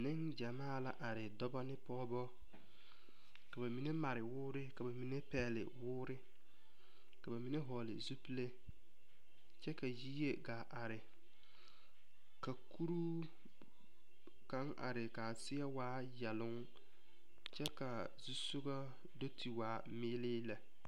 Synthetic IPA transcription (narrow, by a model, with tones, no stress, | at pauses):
nɪ˦ŋd͡ʒa˨maː˦˨la˨ʔa˨ɾɪ˨dɔ˦bɔ˦nɪ˦pɔː˦bɔ˦ | ka˨ba˨mi˨ne˦ma˨ɾɪ˨wʊː˦ɾɪ˦ka˨ba˨mi˨ne˦pɛː˦˨lɪ̰˨wʊː˦ɾɪ˦ | ka˨ba˨mi˨˦ne˦ɦɔː˨lɪ̰˨zu˦pi˦le˦ | t͡ʃɛ˦ka˨jiː˦je˦ɡa˨ʔa˨ɾɪ˨ | ka˨kʰu˦ɾu˦ | ka˨˦ŋa̰˨ɾɪ˨ka˨sɪ˦a˦waː˦ | ja˨lʊ˦ŋ | t͡ʃɛ˦ka˨ | zu˦so˦ɡa˦ | do˦tʰi˨waː˨˦ | mɪː˦lɪː˦la˨